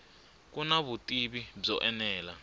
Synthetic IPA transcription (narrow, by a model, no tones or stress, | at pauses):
kunaβutʼiβib͡ʐɔʔɛnɛːla